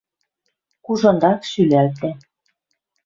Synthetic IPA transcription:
kuʒɤ̆nd̪ɑkʃylælt̪æ

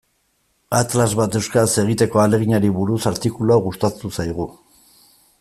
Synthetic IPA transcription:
at̪lazβat̪ewskse̞ɣ̞it̪e̞ko̞ale̞ɣ̞iɲaɾiβuɾusaɾt̪ikuluawɣust̪at̪usajɣ̞u

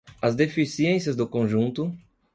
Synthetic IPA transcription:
ɐzd̪efisiẽsiɐzd̪ʊkõʒũnt̪ʊ

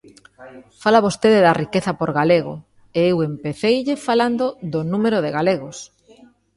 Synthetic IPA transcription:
falaβost̪eðeðɐrikeθɐpoɾɣaleɣo̰ | eewempeθejʎefaland̪oðonumeɾoðɪɣaleɣos

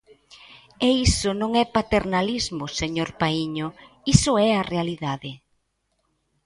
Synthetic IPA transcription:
eisʊnõŋɛpat̪eɾnalizmʊseɲoɾpaiɲʊ | isʊɛarealiðaðɪ

